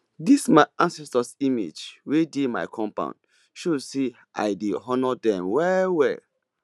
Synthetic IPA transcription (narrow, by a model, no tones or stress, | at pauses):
dismaɪãnsɛstasimḛd͡ʒwedema̰ɪkʰɔ̃mpã̰ʊ̃nd | ʃudse | ʔa̰ɪdeɦɔnɔdɛ̃mwɛwɛ